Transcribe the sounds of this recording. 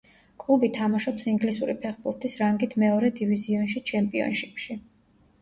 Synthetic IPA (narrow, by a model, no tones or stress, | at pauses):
kʼlˠubit̪ʰamaʃɔpsiŋɡlisuɾipʰɛχbuɾt̪ʰisɾaŋɡit̪ʰmɛɔɾɛd̪iviziɔnʃit͡ʃʰɛmpʼiɔ̰nʃipʃi